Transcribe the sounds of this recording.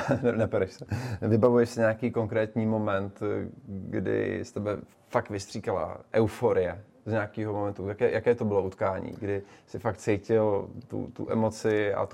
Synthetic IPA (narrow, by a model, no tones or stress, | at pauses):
nnɛpɛɾɛʃsɛvɪbavujɛʃsɪɲakiːko̞ŋkɾɛːt̪ɲiːmo̞mɛnt̪ɡdɪ̰st̪ɛbɛ | fak̚t̪vɪst̪r̥iːkala̰ʔɛwfoɾɪjɛ | zɲaakiːɦomomɛnt̪ujakɛːjʔakɛːt̪obɪloʔut̪kaːɲḭːɡdɪsɪfak̚t̪t͡sɛjcɪlt̪ṵt̪ṵʔɛmo̞t͡sɪa̰